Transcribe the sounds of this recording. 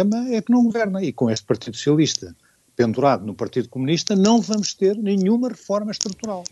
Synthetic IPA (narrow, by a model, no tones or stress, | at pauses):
emɐɛknɐ̃w̃ɡuvɛɾnɐikõeʃt̪̚pɐɾt̪iðusu̥sijɐlˠiʃt̪ɐ | pẽnd̪uɾaðunupɐɾt̪iðukumuniʃt̪ɐnɐ̃w̃vɐmuʃt̪eɾnɨ̃ɲumɐʁɨfɔɾmɐʃt̪ɾut̪uɾalˠ